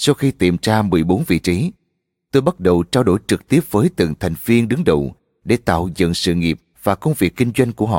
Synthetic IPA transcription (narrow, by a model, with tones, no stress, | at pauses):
sa˧wxi˧t̪ḭ˨˩mt͡ɕaː˧mɨ˨˩əjɓo˨˦nvḭ˧˨t͡ɕi˨˦ | t̪o˧jɓa˦˥t̚ɗə˨˩wt͡ɕaː˧wɗo̰˧˩jt͡ɕɨ˨˩k̚t̪i˦˥əp̚vəː˨˦jt̪ɨ̰˨˩ŋt̪ʰa˨˩jŋ̟vi˧ənɗɨ˨˦ŋɗə̰˨˩w | ɗe˧˩t̪a̰ː˧˨wzə̰˧˨nsɨ̰˧˨ŋi˨˩əp̚v̥aː˨˩kə˧wŋ͡mvi˨˩əkːï˧ŋ̟zwa˧jŋ̟ku˧˩əɦɔ̰˧˨